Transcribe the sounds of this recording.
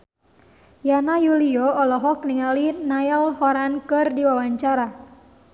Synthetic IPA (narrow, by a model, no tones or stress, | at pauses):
janajuliɔɔlɔɦɔk̚niŋalinaɛlhɔɾankɨrdiwawaɲt͡ʃaɾa